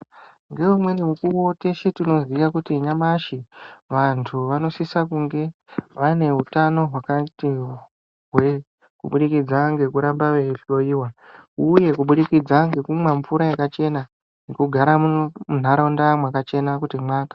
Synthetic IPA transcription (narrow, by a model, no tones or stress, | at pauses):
ŋɡe̞umwe̞nimukuote̞ʃetino̞zikakutiɲamaʃiʋantʰuʋano̞sisakuŋɡe̞ʋane̞ɦutano̞ɦwakati | ɦwe | kṵɓuɗikid͡zaŋɡe̞kuɾambaʋeɬo̞iːwauje̞kuɓuɗikid͡zaŋɡe̞kumwaɱfuɾajekat͡ʃe̞na | nekuɡʱaɾamun̤aɾandamwakat͡ʃe̞nakutimwaːkḁ